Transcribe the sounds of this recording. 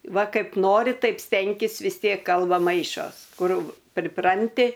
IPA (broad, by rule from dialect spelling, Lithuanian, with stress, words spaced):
ˈʋɐ ˈkɐɪp ˈnoːrʲɪ ˈtɐɪp ˈsʲtʲɛŋʲkʲɪs ʋʲɪs ˈtʲiɛk ˈkɐlˠbɐ ˈmɐɪʃoːs ˈkʊr pʲrʲɪˈprɐnʲtʲɪ